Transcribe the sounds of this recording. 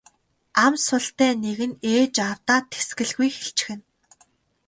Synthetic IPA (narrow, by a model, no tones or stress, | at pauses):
amsʊɬt̪æːneɣɘ̆neːt͡ɕaw̥t̪aːt̪ʰe̥sɡɘ̆ɮɣujxeɬt͡ɕɪ̥̆xɘ̆n